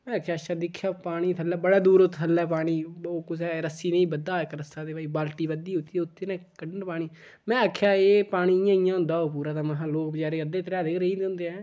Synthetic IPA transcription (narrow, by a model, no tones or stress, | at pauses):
mɛ̃ːaːkʰjaːʃaːd̪ɪkʰːjaːpaːɽiːt̪ʰəlɛːbəɽaːd̪uːɾot̪ʰəlːɛːpaːɽiːoːkʊsɛːɾəsiːnẽĩːbəd̪aːekɾəsaːd̪eːʋaːiːbaːlʈiːʋəd̪iːʊt̪ːiːʊt̪ːeːnẽːkəɖəɳɖpaːɽ̃iː | mɛ̃ːakʰjaːeːpaːɽ̃iːɪjãːijãːɦʊ̃nd̪aːɦoːp̬uːɾaːt̪ãːməɦãːloːkbəd͡ʒaːɾeːəd̪eːt̪əɾaːd̪eːɾəiːd̪̃nd̪eːɛ̃ː